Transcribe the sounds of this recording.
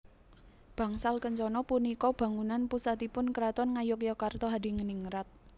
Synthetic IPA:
b̥a̤ŋsalkəɲt͡ʃɔnɔpunikɔb̥ä̤ŋunanpusat̪ipʊnkəɾat̪ɔnŋajʊk̬jɔkart̪ɔɦadi̤ŋəniŋɾat̪̚

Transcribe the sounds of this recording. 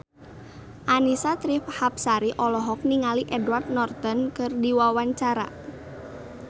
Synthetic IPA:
ʔanisat̪ɾifhap̚saɾiʔɔlɔɦɔk̚niŋaliʔɛdward̪̚nɔrt̪ɔnkɨrdiwawaɲt͡ʃaɾa̰

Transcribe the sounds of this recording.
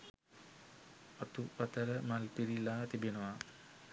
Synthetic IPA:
ɔt̪upat̪əɾəmalpiɾilaːt̪ibenəʋa

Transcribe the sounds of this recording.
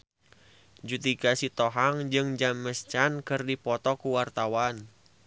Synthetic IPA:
d͡ʒut̪ikasit̪ɔɦaŋd͡ʒɨŋd͡ʒamːəst͡ʃankɨrdipɔt̪ɔkuwart̪awan

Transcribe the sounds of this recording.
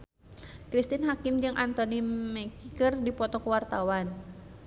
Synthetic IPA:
kɾist̪inɦakimd͡ʒɨŋʔant̪ɔnimɛkikɨrdipɔt̪ɔkəwart̪awan

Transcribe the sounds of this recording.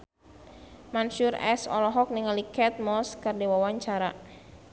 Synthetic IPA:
mansurɛ̰sɔ̰lɔɦɔk̚niŋalikɛt̪̚mɔskərdɛwawaɲt͡ʃaɾa

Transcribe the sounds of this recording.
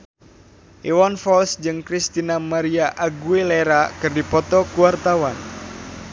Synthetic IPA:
ʔiwanfɔlsd͡ʒɨŋkɾist̪inamaɾiaʔaɡueleɾakɨrdipɔt̪ɔkuwart̪awan

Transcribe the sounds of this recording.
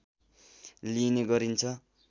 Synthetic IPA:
lineɡʌɾint͡sʰʌ

